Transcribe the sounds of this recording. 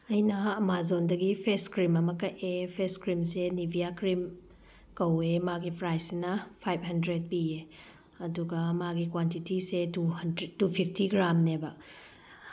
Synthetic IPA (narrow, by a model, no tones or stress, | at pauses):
ɐjnɐːmazondɐɡipʰeskɾimɐmɐkɐtepʰeskɾimsenibʱijakɾim | kɐwemaɡipʰɾajsinɐpʰajp̚ɦɐndɾed̚pie | ɐduɡɐmaɡikwantitisetudtupʰip̚ʰtiɡɾamnebɐ